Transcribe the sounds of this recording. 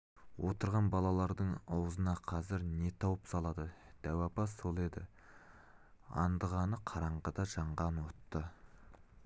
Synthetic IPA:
wʔo̞t̪əɾʁɑnbɑlˠɑlˠɑɾd̪əɴɑwzənɑqʰɑzɪɾne̞t̪ʰɑwəpsɑlˠɑd̪əd̪̥æwɑpɑso̞lˠe̞d̪ɪ | ɑ̰nd̪əʁɑnəqʰɑɾɑɴʁəd̪ɑʒɑɴʁɑnwo̞t̪ːə

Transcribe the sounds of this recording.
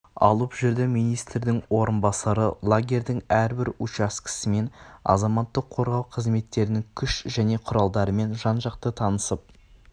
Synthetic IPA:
ɑ̰lˠəpʒʏɾd̪ɪmijnijst̪ɾd̪ɪŋwo̞ɾənbɑsɑɾəlˠaɡʲe̞ɾd̪ɪŋæɾbɪɾʊt͡ʃɑskʲʰɪ̥sɪme̞nɑ̰zɑmɑt̪ːəqʰːo̞ɾʁɑwqʰəzme̞t̪ːe̞ɾɪnɪŋkʲʰʏʃʒæne̞qʰʊɾɑlˠd̪ɑɾəme̞nʒɑnʒɑqt̪ət̪ʰɑnəsəp̚

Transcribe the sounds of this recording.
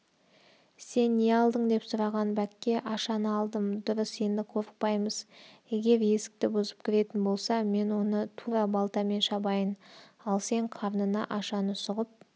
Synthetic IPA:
se̞nːeɑlˠd̪əɴd̪e̞psʊɾɑʁɑnbækʲːe̞ʔɑʃɑnəɑlˠd̪əmd̪ʊɾəse̞nd̪ɪqʰoɾəq̚pɑjməzje̞ɡʲe̞ɾe̞sɪ̥k̚t̪ɪbʊzəpkʲʰɪɾe̞t̪ɪnbo̞lˠsɑme̞nwo̞nət̪ʰuɾɑbɑlˠt̪ɑme̞nʃɑbɑjənɑlˠse̞ɴqʰɑɾnənɑʔɑʃɑnəsʊʁəp̚

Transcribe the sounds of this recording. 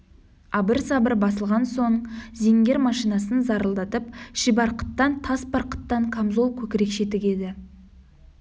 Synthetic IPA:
ɑbəɾsɑbəɾbɑsəlˠʁɑnso̞ɴze̞ŋɡʲe̞ɾmɑʃijnɑsənzɑɾəlˠd̪ɑt̪əpʃɪbɑɾqə̥t̪ːɑnt̪ʰɑsbɑɾqə̥t̪ːɑɴkʰamzolˠkʲʰɵkʲɪɾe̞kʃe̞t̪ɪɡʲe̞d̪ɪ

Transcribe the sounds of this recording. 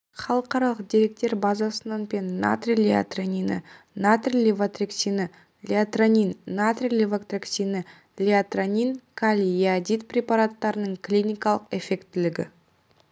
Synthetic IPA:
χɑlˠəqɑɾɑlˠəq̚d̪eɾe̞k̚t̪e̞ɾbɑzɑsənɑnpe̞nːa̰t̪rʲilʲea̰t̪ranʲinə̰ | nat̪rʲilʲevat̪reksʲinə | lʲeat̪ranʲinːat̪rʲilʲevakt̪reksʲinə | lʲiat̪ranʲinkʰalʲiiad̪it̪prʲepaɾat̪ːɑɾənəɴkʰlʲijnʲijkɑlˠəqe̞fe̞kt̪ːɪlɪɡʲɪ̰

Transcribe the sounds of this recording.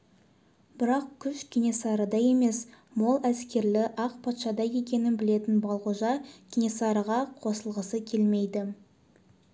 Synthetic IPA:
bɪɾɑq̚kʲʰʏʃkʲinʲesɑɾəd̪ɑje̞me̞smo̞lˠæskʲe̞ɾlɪʔɑqpʰɑt̪ʃɑd̪ɑje̞kʲe̞nɪnbɪle̞t̪ɪnbɑlˠʁuʒɑɡʲinʲesɑɾəʁɑqʰo̞səlˠʁəsəkʲʰe̞lme̞jd̪ɪ

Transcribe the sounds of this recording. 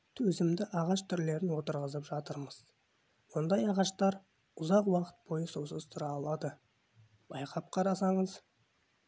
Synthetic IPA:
t̪ʰɵzɪmd̪ɪʔɑʁɑʃt̪ʰʏɾle̞ɾɪnwo̞t̪əɾʁəzəpʒɑt̪əɾməz̥ | wo̞nd̪ɑjɑʁɑʃt̪ɑɾ | ʊzɑqwɑqə̥t̪̚b̥o̞jəsowsəzt̪ʰʊɾɑːlˠɑd̪ə | b̥ɑjqʰɑp̚qʰɑɾɑsɑɴəz

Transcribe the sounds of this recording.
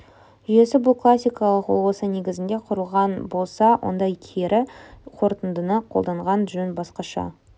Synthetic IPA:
ʒʏje̞sɪbʊlˠkʰlˠasʲːijkɑlˠəqwolˠwosəne̞ɡʲɪzɪnd̪e̞qʰʊɾəlˠʁɑnbo̞lˠsɑwʔo̰nd̪ɑjkʲʰeɾʔɪqʰo̞ɾt̪ənd̪ənəqʰo̞lˠd̪ɑɴʁɑnʒɵnbɑsqɑʃɑ̰

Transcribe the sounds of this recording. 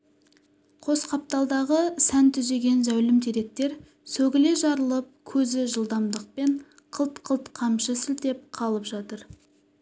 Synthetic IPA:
qʰo̞sqʰɑp̚t̪ɑlˠd̪ɑʁəsænt̪ʰʏze̞ɡʲe̞nzæwlɪmd̪iɾe̞k̚t̪e̞ɾ | sɵɡʲɪle̞ʒɑɾəlˠəp̚kʲʰɵzɪʒəlˠd̪ɑmd̪əq̚pe̞ɴ | qʰəlˠt̪qʰəlˠt̪qʰɑmʃəsɪld̪e̞p̚qʰɑlˠəpʒɑt̪əɾ

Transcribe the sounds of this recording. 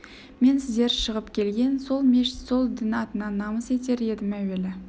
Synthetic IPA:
me̞nsɪzd̪e̞ɾʃəʁəpkʲʰe̞lɡʲe̞nso̞lˠmeʃso̞lˠd̪ɪnɑt̪ənɑnɑməse̞t̪e̞ɾe̞d̪ɪmæwe̞lɪ

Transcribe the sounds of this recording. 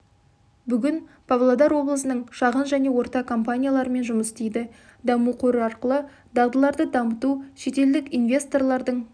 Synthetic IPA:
bʏɡʲɪn | pʰavlˠod̪ɑɾwo̞blˠəsənəɴʃɑʁənʒæne̞wo̞ɾt̪ɑkʰo̞mpanʲijalˠɑɾəme̞nʒʊməst̪ejd̪ɪ | d̪ɑmuqʰɵɾəɑɾqəlˠə | d̪ɑʁd̪əlˠɑɾd̪əd̪ɑmət̪uʃe̞t̪e̞ld̪ɪkinvʲe̞st̪o̞rlˠɑɾd̪əɴ

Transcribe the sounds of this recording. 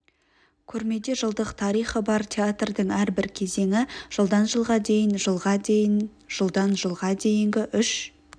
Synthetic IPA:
kʲʰɵɾme̞d̪e̞ʒəlˠd̪əqt̪ʰɑɾijχəbɑɾt̪ʲʰeat̪rd̪əɴæɾbɪɾkʲʰe̞ze̞ŋɪʒ̥əlˠd̪ɑnʒəlˠʁɑd̪e̞jɪnʒəlˠʁɑ | ʒ̥əlˠd̪ɑnʒəlˠʁɑd̪e̞jɪŋɡʲɪʔʏʃ

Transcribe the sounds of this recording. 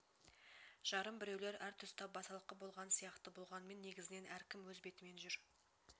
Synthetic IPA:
ʒ̥ɑɾəmbɪɾe̞wle̞ɾæɾt̪ʰʏst̪ʰɑp̚bɑsɑlˠəqːəbo̞lˠʁɑnsijɑqt̪əbolˠʁɑnəme̞nːe̞ɡʲɪzɪne̞næɾkʲɪmwɵzbe̞t̪ɪme̞nʒʏɾ

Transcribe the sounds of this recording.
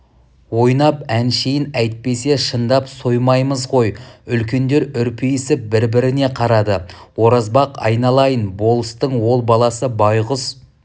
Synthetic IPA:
wo̞jnɑpænʃejɪnæjt̪̚pe̞se̞ʃənd̪ɑpso̞jmɑjməzʁo̞jʏlkʲe̞nd̪e̞ɾʏɾpʰejɪsɪp̚bɪɾbɪɾɪne̞qʰɑɾɑd̪ə | wo̞ɾɑzbɑqɑ̰jnɑlˠɑjənbo̞lˠəst̪əɴwo̞lˠbɑlˠɑsəbɑjʁʊs

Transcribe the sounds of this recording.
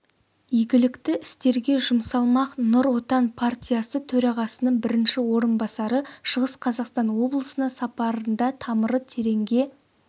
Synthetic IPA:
iɡʲɪlɪkt̪ɪɪst̪e̞ɾɡʲe̞ʒʊmsɑlˠmɑqnʊɾwo̞t̪ɑnpʰart̪ʲijasət̪ʰɵɾɑʁɑsənəɴbɪɾɪnʃɪwo̞ɾənbɑsɑɾəʃəʁəsqʰɑzɑqst̪ɑnwo̞blˠəsənɑsɑpɑɾənd̪ɑt̪ʰɑməɾət̪ʰe̞ɾe̞ŋɡʲe̞

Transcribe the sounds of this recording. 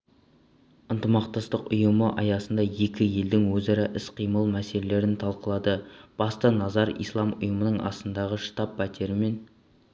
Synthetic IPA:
ənt̪əmɑqt̪ɑst̪əqʊjəməʔɑjɑsənd̪ɑje̞kʲɪje̞ld̪ɪŋwɵzɑɾɑʔɪsqʰijməlˠmæse̞lele̞ɾɪnt̪ʰɑlˠqəlˠɑd̪əb̥ɑst̪ənɑzɑɾḭjslˠɑmʊ̰jəmənəɴɑ̰st̪ənd̪ɑʁəʃə̥t̪ɑp̚bæt̪ʰeɾɪme̞n

